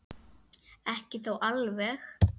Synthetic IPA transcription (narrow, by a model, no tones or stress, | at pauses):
ɛhcɪθowʔalvɛx